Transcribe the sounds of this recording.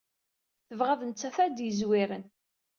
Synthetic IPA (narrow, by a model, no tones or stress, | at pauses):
θəvʁæðənt͡sːæθæd̪jəzwɪɾən